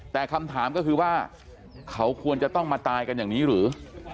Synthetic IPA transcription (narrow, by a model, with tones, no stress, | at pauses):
t̪ɛː˨˩kʰa˧mt̪ʰaː˩˦mkɔ˥˩kʰɯː˧waː˥˩ | kʰa˦˥wkʰu˧ənt͡ɕa˨˩t̪ɔ˥˩ŋmaː˧t̪aː˧jka˧njaː˨˩ŋniː˦˥ɾɯː˩˦